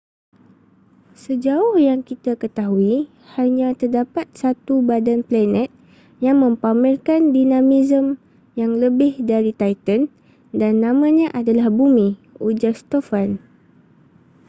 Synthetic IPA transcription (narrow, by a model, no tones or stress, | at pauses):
səd͡ʒaʊhjaŋkit̪akət̪aɦui | haɲãt̪ərdapat̪̚sat̪ubadanplanɛ̃t̪̚ | jaŋmə̃mpamɪlkandinãmizəm | jaŋləbɪhdaɾit̪ajt̪ən | danːãmãɲãʔadalahbumĩud͡ʒarst̪ofan